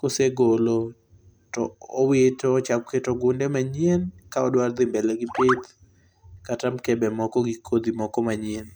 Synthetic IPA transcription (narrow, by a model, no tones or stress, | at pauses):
koseɡolo | tɔ̰ɔwetoɔt͡ʃak̚ketoɡʊndɛmaɲienkaɔdward̪ɪmbɛlaɡipet̪ | katamkɛbɛmɔkɔɡikʰod̪imɔkɔmaɲɪen